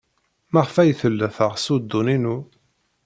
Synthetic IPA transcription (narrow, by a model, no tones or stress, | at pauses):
mæʁfæjθəlːəθəʁsud̪ːuninu